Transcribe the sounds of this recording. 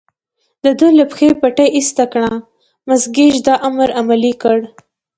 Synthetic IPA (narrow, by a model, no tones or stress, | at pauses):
d̪əd̪əlapxepaʈajʔist̪akɳa | mazɡed͡ʒd̪ɑʔamɾamalikəɽ